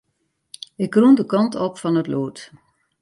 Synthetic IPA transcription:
ɪkrundəkɔntʰɔpfɔnətloːt

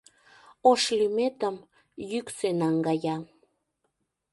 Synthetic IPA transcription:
oʃlimet̪əm | jyksenɑŋɡɑjɑ

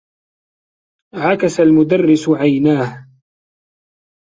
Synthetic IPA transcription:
ʕakasalmʊd̪arːɪsʕajnaːh

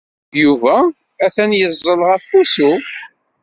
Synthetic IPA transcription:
juvæ | æθænjəzˤːəlʁæfːusu

